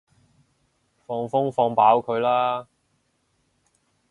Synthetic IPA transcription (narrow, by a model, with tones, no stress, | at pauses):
fɔː˧ŋfʊ˥ŋfɔː˧ŋpaː˨˥wkʰɵ˨˧ɥlaː˥